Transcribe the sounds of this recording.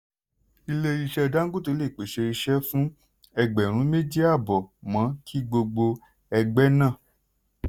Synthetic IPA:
i˧le˧i˧ʃɛ˧ɔ˧da˦ŋ̩˦ɡu˦to˨˧˦le˦˨k͡pe˨ʃe˧i˧ʃɛ˦fũ˦ | ɛ˧ɡ͡bɛ˨ɾ̃ũ˨˦me˦di˦a˦˨bɔ˨mã˨˦kʰi˦ɡ͡bo˧ɡ͡bo˧ | ɛ˧ɡ͡bɛ˦nã˦˨

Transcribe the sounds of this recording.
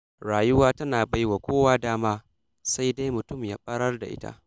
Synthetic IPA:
ɽaː˨jʊ˦waː˦tɐ˦naː˨ba˦jwa˨kʷoː˦waː˦daː˦maː˦ | sa˦jda˦jmʊ˨tʊ˦˨mjaː˦ɸʼɐ˦ɽɐ˦rda̰˨ʔɪ̰˦ta̰˦ʔ

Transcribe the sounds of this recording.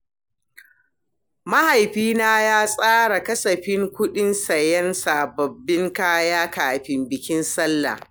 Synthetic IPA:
ma˦ha˨jɸiː˦naː˦jaː˦sʼaː˦ɽa˨kɐ˦sɐ˨ɸɪ˦ŋkʷʊ˦ɗɪ˦nsɐ˨jɐ˦nsaː˨bɐ˨bːɪ˦ŋkaː˦jaː˦kaː˨ɸɪ˦mbɪ˨kʲɪ˦nsɐ˦lːa̰˨

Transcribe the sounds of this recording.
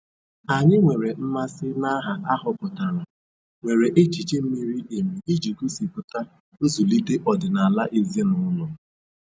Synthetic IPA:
a˨ɲɪ˦ŋʷe˨ɾe˨m̩˦ma˦sɪ˦na˦ɦa˨ʔa˦ɦʊ˨kʊ˨ta˨ɾa˨ | ŋʷe˨ɾe˨ʔe˦t͡ʃi˨t͡ʃe˦m̩˦mi˦ɾi˦ʔe˨mi˨i˦d͡ʒi˨ku˦si˨pʊ˨ta˦ | o˦zu˨li˦de˦ʔɔ˨dɪ˨na˨la˦ʔe˦ze˦nʊ˦lʊ˨

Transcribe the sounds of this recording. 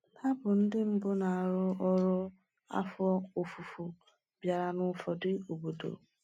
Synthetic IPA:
nʰa˦bʊ˨n̩˦dɪ˦m̩˦bʊ˦na˨a˨ɾʊ˦ɔ˦ɾʊ˦ | a̰˦fɔ˦o˨fu˨fu˨ | bja˨ɾa˨nʊ˨fɔ˨dɪ˦o˨bo˨do̰˨

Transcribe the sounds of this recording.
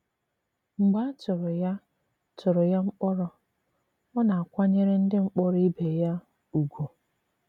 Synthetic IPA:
ŋ͡m̩˨ɡ͡ba˦t͡ʃʊ˨ɾɔ˨ja˦ | t͡ʃʊ˨ɾɔ˨ja˦ŋ͡m̩˦k͡pɔ˦ɾɔ˦ | ɔ˦na˨a˨kʷa˦ɲe˦ɾe˦n̩˦dɪ˦ŋ͡m̩˦k͡pɔ˦ɾɔ˦i˦be˨ja˦ | u˨ɡʷo˨

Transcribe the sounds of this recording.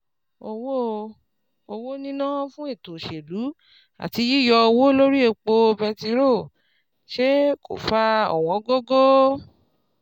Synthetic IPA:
o˧wo˦ | o˧wo˦nĩ˦nã˦fũ˦i˦˨tõ˨ʃe˨lu˨˦ | a̰˨ti˨˧˦ji˦˨jɔ˧o˧wo˦lo˦ɾi˦e˧k͡po˧bɛ˧ti˧˦ɾo˦˨ | ʃe˦ko̰˦˨fa˧ɔ̰˨wɔ̃˨˦ɡo˦ɡo˦

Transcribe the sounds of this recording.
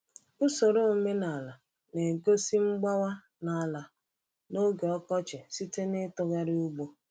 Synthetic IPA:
ʊ˦so˨ɾo˦o˨me˦na˨la˨ | ne˨ɡo˦si˦ŋ͡m̩˦ɡ͡ba˦wa˦ | na˨a˨la˨ | no˦ɡe˨ɔ˦kɔ˦t͡ʃɪ˨si˦te˦nɪ˦tɔ˦ɣa˦ɾɪ˦u˦ɡ͡bo˦

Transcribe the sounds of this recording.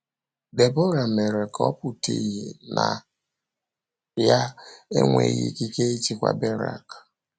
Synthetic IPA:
be˨bo˦ɾa˨me˨ɾe˨kɔ˦pu˨ti˨e˨na˨ | ja˦e˦ŋʷe˨ɣḭ˦ki˦ke˦i˦t͡ʃi˨kʷa̰˨be˦ɾa̰˨k

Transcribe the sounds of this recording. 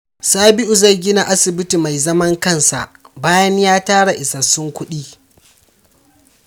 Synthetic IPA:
saː˦bɪ˦ʔu˨za˦˨jɡʲɪ˦na˨ʔa˦sɪ˨bɪ˦ti˨ma˨jzɐ˦mɐ˦ŋkɐ˦˨nsa̰˨ʔbaː˦jɐ˦ɲjaː˦taː˦ɽa˨ʔɪ˨sa˨sʊ˦ŋkʷʊ˦ɗiː˦

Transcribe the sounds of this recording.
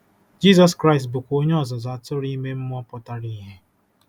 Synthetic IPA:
d͡ʒi˦zɔ˦skɾa˦ɪ˨stbʊ˨kʷo˦ɲe˦ɔ˨zɔ˨za˨tʊ˦ɾi˦me˦m̩˦m˦ɔ˦pɔ˨ta˦ɾi˦˨ɦe˦

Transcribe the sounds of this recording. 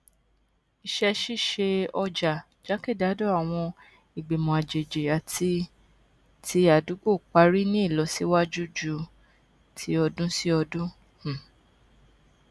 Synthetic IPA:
i˧ʃɛ˧ʃi˦˨ʃe˧ɔ˧d͡ʒa˨ | d͡ʒa˨˦ke˦˨da˨˦do˦˨a˨w̃ɔ̃˧ | i˨ɡ͡be˨mɔ̃˨a˨d͡ʒe˨d͡ʒe˨a˨ti˦ | tʰi˧˦a˨du˨˦ɡ͡bo˦˨k͡pa˨˦ɾi˦nĩ˦i˦˨lɔ˨˦si˦wa˦d͡ʒu˦d͡ʒu˧˦ | tʰi˨˦ɔ˧dũ˦si˦ɔ˧dũ˦ | h̩˨

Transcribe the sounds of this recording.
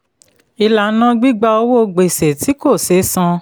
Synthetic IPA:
i˧la˨˦nã˦ɡ͡bi˦ɡ͡ba˧o˧wo˦˧ɡ͡be˨se˨ti˨˦ko˦˨se˨˦sã˧

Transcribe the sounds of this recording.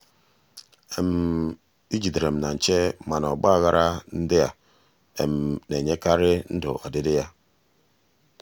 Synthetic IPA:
e˨m˨ | i˦d͡ʒi˨dɾe˨m̩˨na˨n̩˨t͡ʃe˦ma˨nɔ˨ɡ͡ba˦˨ɣa˦ɾʔa˦n̩˦de˦ja̰˨ | ḛ˨m˨ne˨ɲe˦ka˦ɾɪ˦n̩˦dʊ̰˨a̰˨de˦de˦ja˦

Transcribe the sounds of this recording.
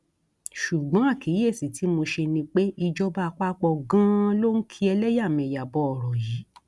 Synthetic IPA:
ʃu˨ɡ͡bã˨˦a˦˨ki˨˦e˦˨si˨ti˨˦mo˧ʃe˧nĩ˧k͡pe˦i˧d͡ʒɔ˦ba˦˧k͡pa˦k͡pɔ˧ɡã˦lo˦n̩˦kʰi˦ɛ˧lɛ˦ja˦˨mɛ̃˧˨ja˨bɔ˧ɔ˨ɾɔ˨ji˨˦

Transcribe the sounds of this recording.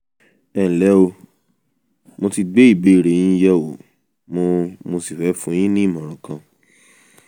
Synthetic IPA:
ɛ˨lɛ˨˦o˧ | mo˧ti˧ɡ͡be˦i˦˨be˨˦i˦˨ɾe˨j̃ĩ˦jɛ˦o˨ | mo˧mo˧si˨fɛ˨˦fũ˦j̃ĩ˦nĩ˦˨mã˨ɾ̃ɔ̃˨kã˧

